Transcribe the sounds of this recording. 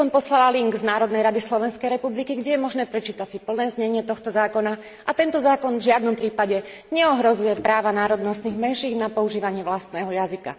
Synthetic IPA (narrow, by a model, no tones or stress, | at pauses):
ɔmpɔslalaliŋɡznaːɾɔd̪nɛjɾad̪islɔʋɛnskɛjɾɛpublikiɡɟɛjɛmɔʒnɛːpɾɛt͡ʃiːt̪asipl̩nɛːzɲɛɲɪɛt̪ɔxt̪ɔzaːkɔna | ʔat̪ɛnt̪ɔzaːkɔnvʒɪad̪nɔmpɾiːpaɟɛ | ɲɛɔɦɾɔzujɛpɾaːʋanaːɾɔd̪nɔst̪niɣmɛʃiːɡnapɔuʒiːʋaɲɪɛʋlast̪nɛːɦɔjazika̰